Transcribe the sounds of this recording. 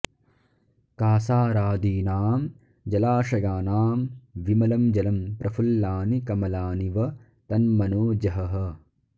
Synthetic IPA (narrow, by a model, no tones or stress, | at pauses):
kaːsaːɾaːd̪iːnaːm | d͡ʒɐlaːʃɐjaːnaːmʋimɐlɐmd͡ʒɐlɐmpɾʔɐfʰulːaːnikɐmɐlaːniʋɐ | t̪ɐnmɐnoːd͡ʒɐɦɐɦɐ̆